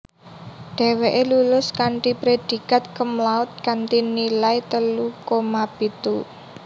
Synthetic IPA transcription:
ɖ̥ɛ̤weʔelulʊskaɳʈipɾed̪̥i̤kat̪̚kəmlaʊt̪̚kanʈinilait̪əlukomab̥i̤t̪u

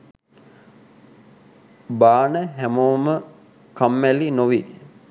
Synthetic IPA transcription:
baːnəɦæmoːmə | kamːælinoʋi

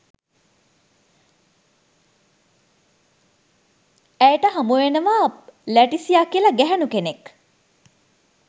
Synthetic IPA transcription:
æjʈəɦamuʋenəʋalæʈisijakːiəlɐɡæɦɛnukenek

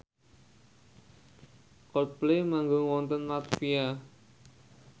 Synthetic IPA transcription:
kɔt̪̚plemaŋɡoŋwɔnt̪ənlat̪fia

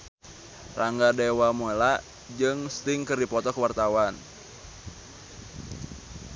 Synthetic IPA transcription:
raŋɡadɛwamola | d͡ʒɨŋst̪ɪŋkɨrdipɔt̪ɔkəwart̪awan

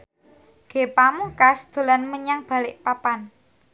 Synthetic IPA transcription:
ɡ̥e̤pamukasd̪̥o̤lanməɲaŋb̥a̤lɪʔpapan

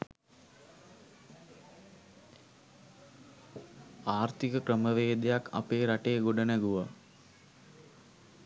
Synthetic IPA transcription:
aːɾt̪ikəkrəməʋeːd̪ejakʰa̰peːɾaʈeːɡoɖənəɡuʋa

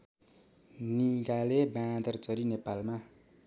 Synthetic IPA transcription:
niɡalebãd̪ʌrt͡sʌɾinepalma

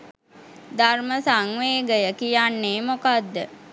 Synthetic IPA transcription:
d̪ʱarməsaŋʋeːɡəjəkijanːeːmokad̪ːə

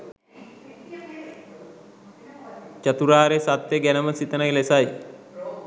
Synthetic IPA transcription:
t͡ʃət̪uɾaːɾesat̪jəɡænəməsit̪ənəlesaj

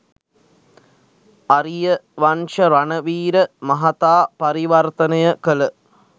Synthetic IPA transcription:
aɾijəʋanʂəɾanəʋiːɾəmɐɦat̪aːpɐɾiʋɐrt̪ənəjəkələ

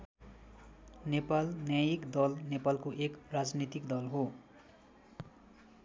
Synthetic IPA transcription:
nepalnjajikd̪ʌlnepalkoʔekrad͡znit̪ikd̪ʌlɦo

